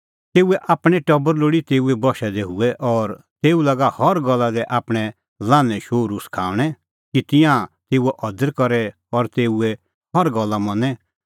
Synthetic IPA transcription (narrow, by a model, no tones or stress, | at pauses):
t̪eːuɛʔaːpɽ̃ɛʈɐbəɾloːɽit̪eːuɛbɔʃɛd̪eɦuɛʔɔːɾ | t̪eːulaɡahɔɾɡɔlːad̪ɛʔaːpɽ̃ɛ | lãːnɛ̃ʃoːɾuskʰaːʋɽ̃ɛ | kit̪ɪ̃jãt̪eːuɛʔɔd̪əɾkɔɾɛ | ɔɾt̪eːuɛ | hɔɾɡɔlːamɐ̃nɛ